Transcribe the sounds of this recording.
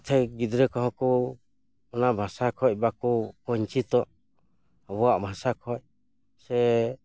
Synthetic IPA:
t̪ʰɛɡid̪ɾɛkɔɦɔ̃kɔ | ɔnabʱasakʰɔc̚ˀbakukɔɲt͡ʃit̪ɔʔ | bɔaʔbʱasakʰɔc̚ | sɛ

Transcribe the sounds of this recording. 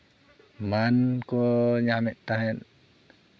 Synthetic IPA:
mankoɲamɛʔt̪aɦɛn

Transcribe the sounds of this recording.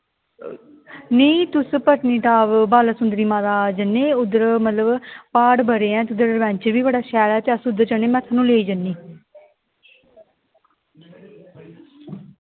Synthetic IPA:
neːt̪ʊspəʈniːʈaːʋbaːlaːsʊnd̪ɾiːmãːd̪aːd͡ʒənːeːʊd̪əɾmət̪ləbpaːʈbəɾeːɛ̃ːt̪ʊd̪əɾʋɛ̃ːɲt͡ʃəɾbiːbəɽaːʃɛːlɛːt̪eːəsʊd̪əɾt͡ʃəneːmɛ̃ːt̪ʰaːnũːleːiːd͡ʒənːiː

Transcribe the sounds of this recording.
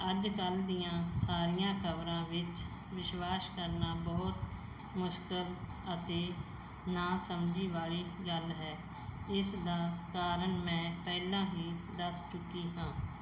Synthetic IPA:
əd͡ʒkəld̪ijãːsaːɾɪjãːkʰəbɾãːʋɪt͡ʃ | ʋɪʃwaːskəɾnaːbɔːt̪ | mʊʃkəl | ət̪eː | naːsəmd͡ʒiːʋaːɭiːɡəlɦɛː | ɪsd̪aːkaːɾəɳmɛ̃ːpɛːlãːɦiːd̪əst͡ʃʊkiːɦãː

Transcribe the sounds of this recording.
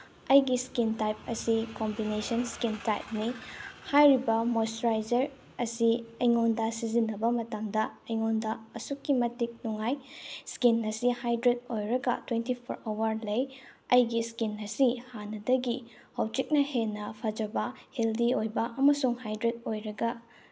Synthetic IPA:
ɐjɡiskintajp̚ɐ̰sikombinesɐnskintajp̚nihajɾibɐmostɾajd͡ʒɐɾ | ɐsiɐjŋondɐsizinːɐbɐmɐtamdɐɐjŋondɐɐsukːimɐtik̚nuŋajskinːɐsihajdɾet̚ojɾɐɡɐ̰twentipʰo̰ɾowɐɾlɐjɐjɡiskinɐsihanɐdɐɡi | hɐwt͡ʃik̚nɐhenːɐpʰɐd͡ʒɐbɐheldiojbɐʔɐmɐsuŋhajdɾet̚ojɾɐɡɐ

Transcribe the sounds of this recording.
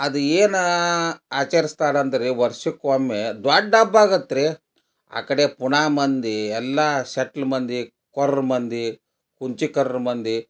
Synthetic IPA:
ɐd̪ueːn | aːt͡ʃɐɾist̪aːɽɐnd̪ɐɾeʋɐɾʂikʋɐmːed̪waːɖːaːbaːɡɐt̪ːɾe | a̰ːkɐɽepuɳaːmɐnd̪iɛlːaʃɐʈlmɐnd̪i | kɔɾɐɾmɐnd̪i | kuɲt͡ʃikɐɾɐɾmɐnd̪i

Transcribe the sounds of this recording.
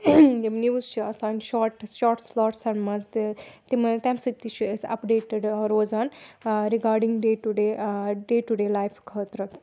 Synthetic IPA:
jimniʋuzt͡ʃʰiɐsaːnʃɔːʈʃɔːɾʈslɔːʈsɐnmɐnzt̪t̪imɐt̪ɛmsik̚t̪it͡ʃʰuesɐ̰pɖeːʈəɖɾoːzaːnɾiɡaːɾɖiŋɡɖeːʈuɖeːɖeːʈuɖeːlaːjfkʰɐt̪ɾɐk

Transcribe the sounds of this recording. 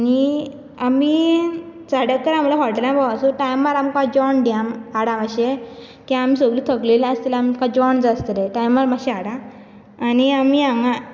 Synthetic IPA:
ani | ami | t͡saɽək̚t̪əɾam̤laɦɔʈlãbaasuʈajmaɾamkad͡ʑɔɳɖamaɽãmaɕe | kiaam̤iːsoɡlut̪ʰəkleləst̪ilaamkad͡ʑɔɳd͡zast̪əɾeʈajmːaɾmaɕiaɽãː | niamiaŋɡa

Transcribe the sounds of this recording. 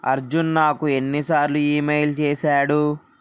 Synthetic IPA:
ɐ̰ɾd͡ʒunnaːkue̞nːisaːɾluiːmeːjlt͡ʃɛːsaːɽu

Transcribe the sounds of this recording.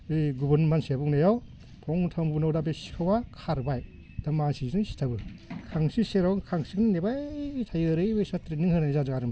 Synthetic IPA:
ɯjɡubɯnmansiabuknajaw | pʰɔŋtʰambunawdabesi̥kʰawakʰaɾbaj | d̥amasiznɯŋsi̥tʰabɯkʰaŋsiseɾaŋkʰaŋsiknɯnebajtʰajɯɾɯjbɯjsatɾinɯŋhɯnanizazɯŋaɾɯm

